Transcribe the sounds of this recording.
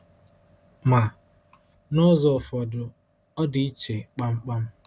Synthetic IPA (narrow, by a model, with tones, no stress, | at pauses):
ma˨ | nʊ˦zɔ˨fɔ˨dʊ˨ | ɔ˦di˨i˦t͡ʃe˨k͡pa˦ŋ͡m̩˦k͡pa˦m̩˦